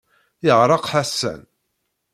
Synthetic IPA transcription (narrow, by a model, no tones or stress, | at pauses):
jəʁɾˤɑqħasːæ̰n